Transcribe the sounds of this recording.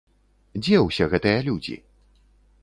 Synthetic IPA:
d͡zʲɛwsʲɛɣɛt̪ɨjɐlʲud͡zʲḭ

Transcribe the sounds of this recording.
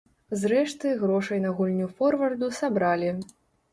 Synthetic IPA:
zɾɛʂt̪ɨɣɾɔʂɐjnɐɣulʲnʲufɔrvɐrd̪usabɾalʲi

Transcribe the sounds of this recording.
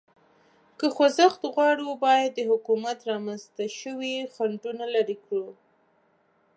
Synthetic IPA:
kəxozaxt̪ɣwɑɽiwbɑjad̪ːəhʊkumat̪ɾɑmanst̪aʃəwixaɳɖunalaɾikɽu

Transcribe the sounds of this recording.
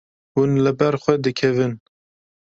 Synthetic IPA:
hunlɨbɛɾxʷɛd̪ɨkʰɛvɨn

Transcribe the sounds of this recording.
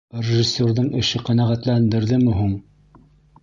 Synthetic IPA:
rʲɪʒɪsʲːorðɤɴɘ̆ʃɘqænæʁæt̪lænd̪ɘ̆ɾðɘmɘ̆ɦuɴ

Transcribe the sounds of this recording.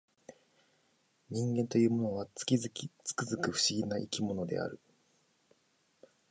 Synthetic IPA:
ɲ̟ĩŋɡẽ̞nt̪o̞jɯ̟ːmo̞no̞βḁ | t͡sɨ̥kɯzɨkɯ̟ɸɯ̟̥ɕiɡʲinaʔikʲimo̞no̞d̪e̞̰a̰ɾɯ̟

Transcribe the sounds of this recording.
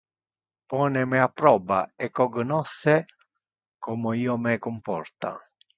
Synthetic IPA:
pɔːnɛmɛapːɾɔːba̰ɛkːɔɡnɔsːe | kɔmoiːomɛkumpɔ̰rt̪a̰

